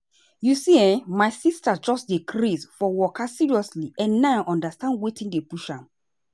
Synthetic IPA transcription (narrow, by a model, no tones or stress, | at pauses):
jusiɛ̃nmaɪsistad͡ʒɔsdikʰɾisfɔwɔkasiɹiɔsliɛ̃nːaãʔɔ̃ndastãndwetĩndepuʃãm